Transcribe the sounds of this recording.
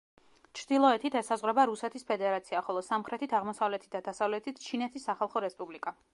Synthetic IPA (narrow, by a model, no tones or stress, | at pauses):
t͡ʃʰɾd̪ilˠɔɛt̪ʰit̪ʰɛsazʁwɾɛbaɾusɛt̪ʰispʰɛd̪ɛɾat̪sʰiaχɔlˠɔsamχɾɛt̪ʰit̪ʰaʁmɔsavlɛt̪ʰit̪̚d̪ad̪asavlɛt̪ʰit̪ʰt͡ʃʰinɛt̪ʰisːaχalˠχɔɾɛspʼublikʼa